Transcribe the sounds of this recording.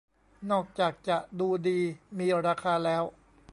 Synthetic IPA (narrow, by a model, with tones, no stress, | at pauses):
nɔː˥˩k̚t͡ɕaː˨˩k̚t͡ɕa˨˩ʔduː˧diː˧miː˧ɾaː˧kʰaː˧lɛː˦˥w